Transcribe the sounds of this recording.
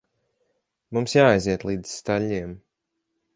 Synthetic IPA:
mumsjaːajziɛt̪lˠiːd̪z̥st̪aʎʲːiɛm

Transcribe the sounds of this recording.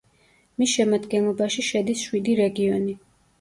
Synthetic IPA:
misʃɛmad̪ɡɛnlˠɔbaʃiʃɛd̪isʃwid̪iɾɛɡiɔni

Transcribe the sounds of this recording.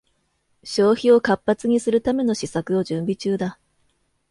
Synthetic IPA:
ɕo̞ːçio̞kapːat͡sɨɲ̟isɨɾɯ̟t̪ame̞no̞ɕisakɯ̟o̞ʑɨ̃mbʲit͡ɕɨːd̪a

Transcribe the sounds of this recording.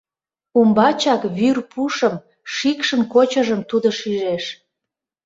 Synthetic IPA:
umbɑt͡ɕɑkβyrpuʃəm | ʃikʃənkot͡ɕəʒəmt̪ud̪oʃiʒeʃ

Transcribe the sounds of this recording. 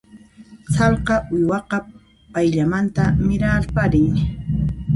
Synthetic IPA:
sɑlqɑʔʊjwɑqɑ | pajʎamant̪amɪɾalpaɾɪŋ

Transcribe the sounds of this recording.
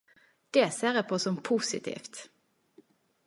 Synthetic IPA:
d̪̥eːseːʁeːpʰoːsɔmpʰuːsɪt̪ʰḭːft̪

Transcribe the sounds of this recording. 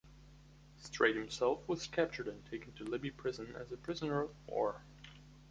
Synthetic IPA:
stʰɹ̥eɪt̚hɨ̃msɛlˠfwʌz̥kʰæp̚t͡ʃə˞ɾɨ̃ntʰeɪkn̩tʰɨlɪbipʰɹ̥ɪzə̃nɨ̰zɨpʰɹ̥ɪzənə˞ʌvwɔ̰ɹ

